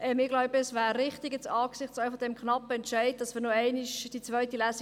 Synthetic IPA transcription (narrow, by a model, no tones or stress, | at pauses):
ʔɛmɪɡlɔʊbəɛsʋæːɾːɪχtɪɡɛt͡sɑːksɪχtsaɪfɔd̥ɛmkʰχnɑpːəɛntʃɛɪd̚d̥ɑsmɪːɾnoɛɪnɪʃd̥it͡sʋœʏtilæːs